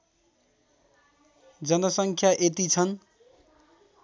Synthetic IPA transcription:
d͡zʌnʌsʌŋkʰjaʔet̪it͡sʰʌn

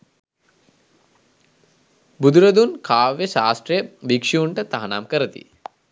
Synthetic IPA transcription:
bud̪uɾɐd̪unkʰaːʋeʃaːsʈɾijɐbikʂiuɳʈət̪ɐɦɐna̰ːmkɐɾɐt̪ḭ

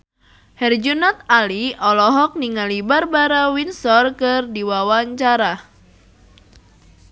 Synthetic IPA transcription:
hɛrd͡ʒunɔt̪̚aliɔlɔɦɔk̚niŋalibarbaɾawinsɔrkɨrdiwawaɲt͡ʃaɾa

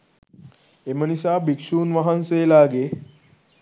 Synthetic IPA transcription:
emənisabʱikʂuːnʋaɦãnselaɡe

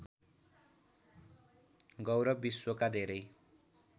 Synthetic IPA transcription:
ɡʌwɾʌbiswokad̪ʱeɾʌj

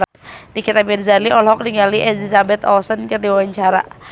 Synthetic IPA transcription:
dikit̪abirzaliʔɔlɦɔk̚niŋaliʔɛslisabɛt̪ɔsənkɨrdiwawaɲt͡ʃaɾa̰

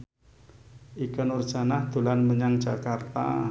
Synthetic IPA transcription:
ʔikənʊr̥ʒ̥a̤nahd̪̥ṳlanməɲaŋd̥ʒ̥akart̪a̰

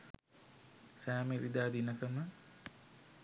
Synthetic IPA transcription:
sæːmeɾid̪aːd̪inəkəmə

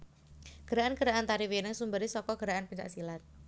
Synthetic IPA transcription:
ɡ̥əɾaʔanɡəɾaʔant̪aɾiweɾɪŋsumbaɾisɔkɔɡ̥əɾaʔanpəɲt͡ʃa̰ʔsilat̪̚

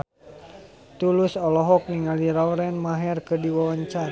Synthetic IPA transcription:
t̪ulusɔlɔɦɔk̚niŋaliɾawɾɛnmaɦɛrkɨdiwawaɲt͡ʃa

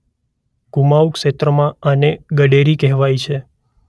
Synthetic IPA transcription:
kumaukʃet̪ɾəmãəneɡəɖeɾikɛɦʋajt͡ʃʰe

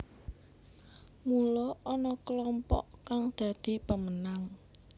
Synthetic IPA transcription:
mulɔɔnɔkəlɔmpɔ̰ʔkaŋd̪̥ä̤d̪̥i̤pəmənaŋ

